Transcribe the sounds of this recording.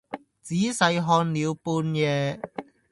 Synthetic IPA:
t͡siː˨˥sɐ˨˧jɦɔː˧nliː˨˧wpuː˧njɛː˧

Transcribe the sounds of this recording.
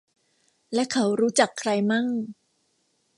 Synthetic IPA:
lɛ˦˥kʰa˦˥wɾuː˦˥t͡ɕa˨˩kʰːɾa˧jma˥˩ŋ

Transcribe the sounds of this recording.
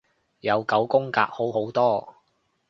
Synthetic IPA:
jɐ˨˧wkɐ˨˥wkʊ˥ŋka̰ː˧k̚ho˨˥wɦo˨˥wt̪ɔː˥

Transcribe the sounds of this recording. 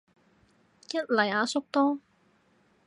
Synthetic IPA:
jɐ˥t̚lɐ˨˩jaː˨˧sʊ˥k̚t̪ɔː˥

